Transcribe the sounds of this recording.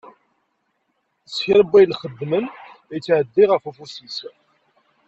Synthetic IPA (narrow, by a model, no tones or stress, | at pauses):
sçɪɾəbːæjlχəd̪ːmənjt͡sːʕəd̪ːiʁəfufusis